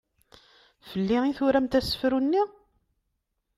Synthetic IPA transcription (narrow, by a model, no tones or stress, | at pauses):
fəlːiiθʊɾæmt̪æsə̥fɾunːi